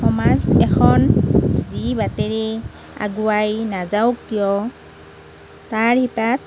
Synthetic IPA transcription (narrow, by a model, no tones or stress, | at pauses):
ɔmazɛkʰɔnzibateɹi | a̰ɡuajnazawkːijɔ | taɹhipat̚